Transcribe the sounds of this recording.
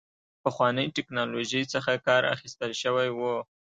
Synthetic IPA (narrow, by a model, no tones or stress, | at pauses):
pəxwɑnəjʈɪknɑloʒəjt͡səxakɑɾa̰xist̪əlʃəwajwu